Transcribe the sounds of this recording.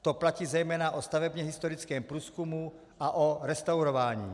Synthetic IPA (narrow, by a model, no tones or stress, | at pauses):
t̪oplaciːzɛjmɛːnaʔost̪avɛbɲɛɦɪst̪oɾɪt͡skɛːmpɾuːskumu | ʔaʔoɾɛst̪awɾovaːɲḭː